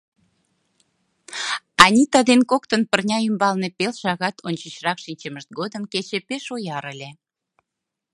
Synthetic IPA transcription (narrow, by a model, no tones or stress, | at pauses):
ɑnʲit̪ɑd̪enkokt̪ənpərnʲɑymbɑlnepelʃɑɣɑt̪ʰonʲt͡ɕət͡ɕrɑkʃinʲt͡ɕəməʃt̪̚ɡod̪əmket͡ɕepeʃojɑɾəlʲe